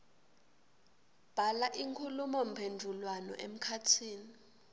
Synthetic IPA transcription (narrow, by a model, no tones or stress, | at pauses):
b̥ʱalaʔiŋkʰulumɔm̩pʰendʱulwanɔ̰ʔem̩kʰatʰiːni